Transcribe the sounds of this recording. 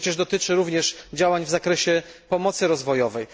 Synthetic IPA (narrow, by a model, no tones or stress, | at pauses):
t͡ɕɛʐd̪ɔt̪ɘt͡ʂɘɾuvɲɛʂd͡ʑawaɲvzakɾɛɕɛpɔmɔt̪sɘɾɔzvɔjɔvɛj